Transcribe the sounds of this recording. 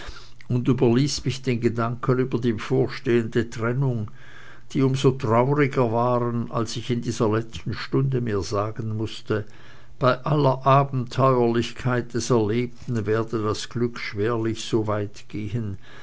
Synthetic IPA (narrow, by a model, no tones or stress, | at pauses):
ʊndyːbɐliːsmɪçd̥eːnɡədaŋkʰənyːbɐdiːbəfoːɐʃteːəndətʁ̥ɛnʊŋ | d̥iːʊmzotʁ̥aʊʁɪɡɐvaːʁəna̰lsɪçɪndiːz̥ɐlɛt͡stn̩ʃtʊndəmiːɐzaːɡənmʊstə | b̥aɪʔalɐʔaːbm̩tʰɔʏɐlɪçkʰaɪt̚d̥ɛsɛɐleːp̚tn̩vɛːɐdədasɡ̥lʏkʃv̥eːɐlɪçz̥oːvaɪtɡ̥eːhən